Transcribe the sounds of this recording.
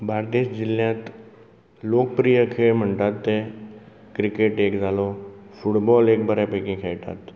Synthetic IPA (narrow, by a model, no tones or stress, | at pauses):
baːɾd̪eːʃd͡ʒɪljãːt̪ | loːk̚pɾijəkʰeməɳɖaːt̪ːe | kɾɪkeʈeːkzaːlofʊʈbɔːleːk̚bəɾepekẽkʰeːʈa̰ːt̪